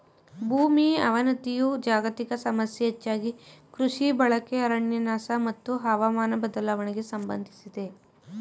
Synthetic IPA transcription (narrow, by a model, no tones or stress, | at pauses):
bʱuːmiɐ̰ʋɐnɐt̪ijud͡ʒaːɡɐt̪ikɐsɐmɐsjɐɐt͡ʃːaːɡikɾuʂibɐɭɐkeɐɾɐɳjɐnaːsɐmɐt̪ːuɦɐʋamaːnɐbɐd̪ɐlaːʋɐɳiɡe̞sɐmbɐ̰nd̪ʱisid̪e̞